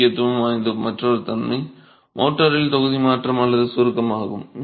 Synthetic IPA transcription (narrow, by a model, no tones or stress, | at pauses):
ɪjɐt̪ːɯʋɐmaːjnd̪ɯmɐʈrɐɾɯt̪ɐnmɐɪ | mʔoːʈːɐɾɪlt̪ɔɣɯðimaːʈrɐmɐlːɐðɯsʊɾɯkːɐmaːɣɯ̰m